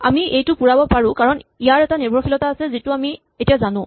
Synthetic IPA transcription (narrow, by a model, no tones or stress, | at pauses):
a̰miʔejtʊpuɹabɔpaɹʊ̃kaɹɔnijaɹɛtanibʱɔxilɔtaːsɛzitʊami | etijazanʊ̃